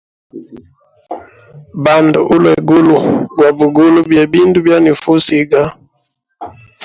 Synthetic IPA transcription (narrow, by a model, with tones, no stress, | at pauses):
ba˨ndu˨ʔu˦lwɛ˨ɡu˦lu˨ɡwa˨bu˨ɡu˦lu˦bjɛ˨bi˦ndu˦bja˦ni˨fu˦si˦ɡa˦